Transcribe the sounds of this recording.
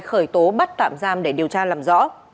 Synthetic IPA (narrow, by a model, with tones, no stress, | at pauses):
xəː˧˩jt̪o˨˦ɓa˦˥t̚t̪a̰ː˧˨mzaː˧mɗe˧˩ɗi˨˩əwt͡ɕaː˧laː˨˩mzɔ̰˧˥